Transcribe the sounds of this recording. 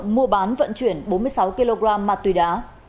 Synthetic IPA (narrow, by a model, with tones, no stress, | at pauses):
ŋmu˧əɓaː˨˦nvə̰˧˨nt͡ɕwi˧˩ənɓo˨˦nmɨ˧əjsa˨˦wki˧lo˧ɣɾaː˧mːaː˨˩t̪wi˨˩ɗaː˨˦